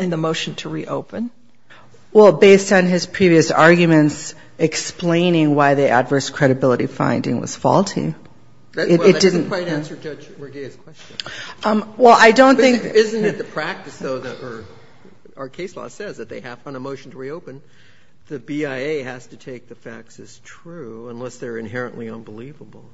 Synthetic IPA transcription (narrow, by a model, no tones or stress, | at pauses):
ɨ̃nðəmoʊʃn̩tʰəɹiʔo̰ʊpɨ̃n | wɛlˠbeɪstn̩ɪz̥pʰɹ̥iviɨsɑɹɡjɨmɨ̃nts | ɨksplẽɪ̃nɪ̃ŋwaɪðiʔə̰dvɜ˞skʰɹ̥ɛɾɨbɪlˠəɾifã̰ɪ̃ndɪ̰̃ŋwʌ̰z̥fɔ̰lˠtʰḭ | ɨɨd̥ɪdⁿn̩ʰɹaɪænsə˞d͡ʒʌd͡ʒməɡeɪz̥kʰw̥ɛst͡ʃɨ̃nʌ̃mwɛlˠaɪdõʊ̃nθɪ̃ŋkɪzɨ̃nɨt̪̚ðɨpʰɹ̥æk̚tɨsðoʊðɨɾə˞ | ə˞kʰeɪslɔ̰sɛzðɨt̪̚ðeɪɨvə̃nəmoʊʃn̩tʰəɹioʊpɨ̃n | ðɨbiaɪeɪɦæz̥tɨtʰeɪk̚ðɨfæ̰k̚tsɨz̥tʰɹ̥ʉə̃nlɛsðə˞ɨ̃nɦɛɹɨ̰̃nʔliʌ̃nbəlivəbl̩ˠ